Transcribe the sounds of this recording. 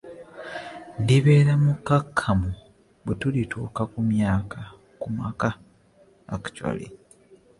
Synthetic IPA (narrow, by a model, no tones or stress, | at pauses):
ndiβeːɾamukːakʰːamu | betulitʰuːkakumjaːka | kumakaː | kḁcwa̰lḛ